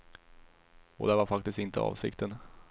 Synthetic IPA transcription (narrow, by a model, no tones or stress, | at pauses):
ɔ̰d̪ɛvaɾfak̚t̪ɪst̪ɪnt̪əɑ̰ːvsɪ̰kt̪ən